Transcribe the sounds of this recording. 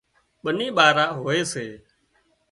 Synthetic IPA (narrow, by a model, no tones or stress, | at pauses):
ɓənĩːɓaːɾãːɦoːeːseː